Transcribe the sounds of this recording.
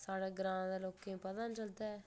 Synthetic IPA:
saːɽeːɡɾãːmãd̪eloːkːẽpɐd̪ãnt͡ʃɐld̪ɛː

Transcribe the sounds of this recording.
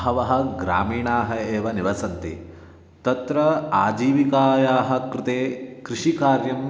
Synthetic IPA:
ɦɐʋɐɦɐ̆ɡɾaːmiːɳaːɦɐeːʋɐniʋɐsɐnt̪ḭ | t̪ɐt̪ɾɐa̰ːd͡ʒiːʋikaːjaːɦɐ̆kɾɪt̪eːkɾɪʂikaːɾjɐm

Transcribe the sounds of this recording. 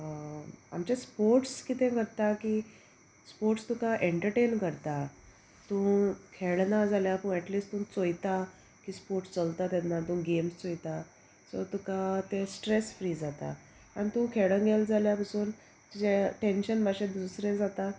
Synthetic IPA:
a̰mt͡ɕespoɾʈskiːt̪ẽkəɾt̪akiː | spoɾʈst̪ũkaʔeɳʈəɾʈenkəɾt̪a | t̪ũkʰeɭnad͡zaljapəɳɛʈliːsʈt̪ũt͡sojt̪a | kiːspoɾʈst͡səlt̪at̪janːat̪ũːɡemst͡sojt̪a | sɔ̰ɾt̪ũkat̪esʈɾesfɾiːd͡zat̪a̰ | añit̪ũkʰeɭə̃ŋɡeld͡zaljapəsuːn | d͡ʑeʈenɕənmaɕẽd̪usɾẽd͡zat̪a

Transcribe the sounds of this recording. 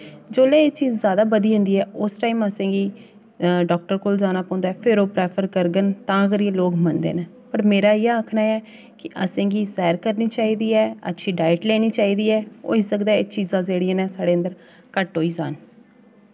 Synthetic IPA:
d͡ʒoːleːeːt͡ʃiːzːjaːd̪aːbəd̪iːɦʊ̃nd̪iːɛːʊsʈaːiːməsẽːɡiː | ɖɔːk̚ʈəɾkold͡ʒaːnaːpɔ̃ːnd̪aːɛːpʰɪɾoːpɾɛːpʰəɾkəɾɡənt̪ãːkəɾiẽloːɡmənd̪ḛːnɛ̃ː | pəɾmeːɾaːiːãːəkʰnaːɛː | kɪʔəsẽːɡiːsɛːɾkəɾniːt͡ʃaːiːd̪iːɛːə̰tːʃʰiːɖaːɪʈleːɽ̃iːt͡ʃaːiːd̪iːɛːo̰ːɪsəkd̪aːet͡ʃiːzãːzeːɽijãːnɛ̃ːsaːɽeːənd̪əɾ | kəʈɦoːiːzaːn

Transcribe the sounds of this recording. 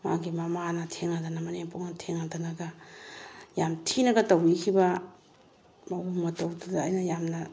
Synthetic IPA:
maɡimɐmanɐtʰeŋadɐnɐmɐnempoknɐtʰeŋadɐnɐɡɐ | jamtʰinɐɡɐtɐwikʰibɐ | mɐwumɐtɐwdadaːjnɐjamnɐ

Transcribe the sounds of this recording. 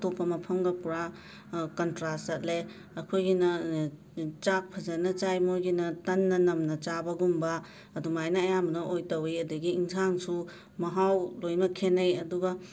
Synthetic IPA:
topːɐmɐpʰɐmɡɐpuɾa | kɐntɾasɐt̚le | ɐkʰojɡinɐ | t͡ʃak̚pʰɐzɐnɐt͡ʃajmojɡinɐtɐnːɐnɐmnɐt͡ʃabɐɡumbɐː | dumajnɐːjamɐnɐʔojtɐwejɐdɐɡiiŋsʰaŋsu | mɐɦawlojmɐkʰenɐjɐduɡɐ

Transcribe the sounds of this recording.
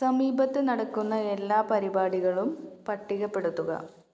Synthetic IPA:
sɐmiːbɐt̪ːenɐɽɐkːunːɐelːaːpɐɾibaːɽiɣɐɭumpɐʈːiɣɐpːe̞ɽut̪ːuɣɐ̰

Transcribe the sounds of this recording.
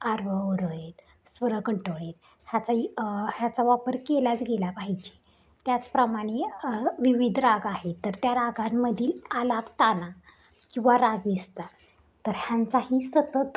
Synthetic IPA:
aɾʋəoɾəet̪ | sʋəɾəkəɳʈoɭet̪̚ | hjat͡sahjat͡saʋapəɾkelat͡sɡelapaɦit͡ɕi̥ | t̪jat͡spɾəmaɽ̃eʋiʋid̪ʱɾaɡaɦet̪ːəɾt̪jaɾaɡamːəd̪ʱiːlalabt̪ana | kĩw̃ʋaɾaɡʋist̪a | t̪əɾɦjant͡saɦiːsət̪ət̪

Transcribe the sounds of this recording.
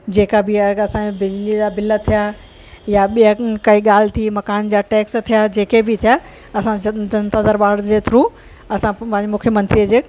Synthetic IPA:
d͡ʑeːkabɪɐsãebɪd͡ʑlid͡ʑaːbɪlət̪ʰija | jaɓijakɐiɠaːlɪt̪ʰimɐkaːnd͡ʑaːʈeːkst̪ʰijad͡ʑeːkebɪt̪ʰija | ɐsãd͡ʑɐdɐnt̪ad̪əɾbaːɽd͡ʑeːt̪ʰɾu | ɐsãpɐ̃ɦɪ̃ɲd͡ʑemʊkʰjəmɐ̃nt̪ɾijəd͡ʑeː

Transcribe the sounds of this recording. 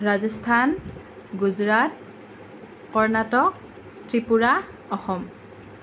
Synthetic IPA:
ɹazɔstʰan | ɡuzɹat̚ | kɔɹnatɔk̚ | tɹipuɹa | ɔxɔm

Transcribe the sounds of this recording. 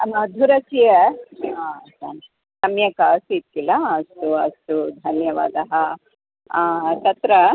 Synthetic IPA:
ɐmɐd̪ʱuɾɐsijɐ | sɐ̰n | sɐmjɐkɐsit̪̚kilɐːst̪uɐst̪ud̪ʱɐnjɐʋa̰ːd̪ɐɦɐ | t̪ɐt̪ɾɐ

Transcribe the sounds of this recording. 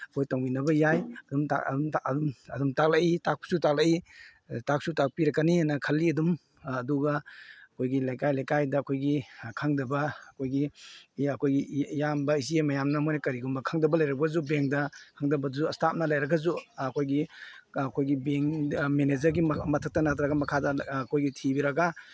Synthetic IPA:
ɐkʰojtoŋinɐbɐjajdum̰mumɐdumtak̚laʔitak̚psutak̚laʔi | tak̚sutak̚piɾɐkːanianɐkʰɐlːiɐdumː | duɡɐɐkʰojɡilajkajlajkajdɐːkʰojɡikʰaŋdɐbɐːkʰojɡiɐkʰojɡijambɐiziemɐjamnɐmojnɐkɐɾiɡumbɐkʰaŋdɐbɐlɐjɾɐɡɐzubeŋdɐkʰaŋdɐbɐdzuɐstʰap̚nɐlajɾɐɡɐzuɐkʰojɡiɐkʰojɡibeŋmened͡ʒɐɾɡimɐtʰak̚tɐnatʰɾaɡɐmɐkʰadɐkʰojɡitʰibiɾɐɡa

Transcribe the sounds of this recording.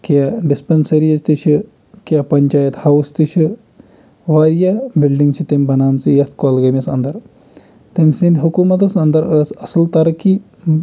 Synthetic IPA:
kjaɖispensɐɾijɐzt̪iʃʰi | kʲjapɐɲʲt͡ʃaːjɐt̪hɐwst̪iʃʰi | ʋaːɾjabilɖiŋɡt͡ʃʰit̪emʲbɐnaːmt͡sɨjɐt̪ʰkɔːlɡɐmʲɐsɐ̰nd̪ɐɾ | t̪emsĩnd̪ʲɦukuːmɐt̪ɐsɐnd̪ɐɾəsɐsɨlt̪ɐɾɐki

